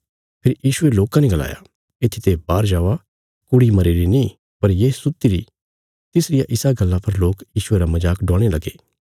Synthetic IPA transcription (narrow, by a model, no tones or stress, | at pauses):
pʰeɪɾjiːʃʊeloːkãnẽɡɐla̰ːja̰ | et̪ʰit̪ebaːɾd͡ʒaːʋa | kʊɽimɐɾeɾinĩ | pɐɾjesʊt̪ːiɾḭ | t̪ɪsɾɪjaʔɪsaɡɐlːãpʰɐɾloːkjiːʃʊeɾamɐd͡ʒaːkɖɔ̃ːɽ̃elɐɡeː